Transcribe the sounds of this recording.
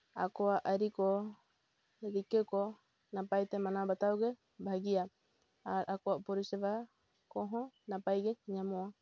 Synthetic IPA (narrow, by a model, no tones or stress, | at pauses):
a̰koaʔaɾikɔ | ɾikɛkɔ | napajt̪ɛmanabat̪awɡɛ | baaɡia | aɾakoapɔɾisɛβa | kɔɦɔnapajɡɛɲamoa